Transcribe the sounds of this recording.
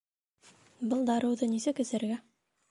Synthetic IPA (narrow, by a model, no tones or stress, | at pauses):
bɤlˠd̪ɑɾɤ̆wðɤnisɘkɵ̆sɘ̆ɾɡæ